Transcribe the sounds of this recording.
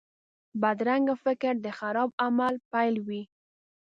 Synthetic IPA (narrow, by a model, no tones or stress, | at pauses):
bad̪ɾaŋɡafɪkɪɾd̪əxaɾɑb̚amalpajlwi